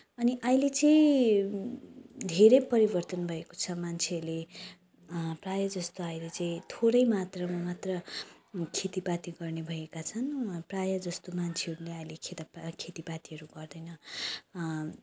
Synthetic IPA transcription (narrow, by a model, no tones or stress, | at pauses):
ʌniʔʌjlet͡saĩ | d̪ʱeɾʌjpʌɾibʌrt̪ʌnbʱʌeko̥t͡sʰʌmant͡sʰeʌɾle | prajʌd͡zʌst̪oʌjlet͡saĩt̪ʰoɾʌjmat̪rʌmat̪rʌ | kʰet̪ipat̪iɡʌrnebʱʌekat͡sʰʌnprajʌd͡zʌst̪omant͡sʰeʌɾuleʌjlekʰet̪ʌpkʰet̪ipat̪iɦʌɾuɡʌrd̪ʌjnʌ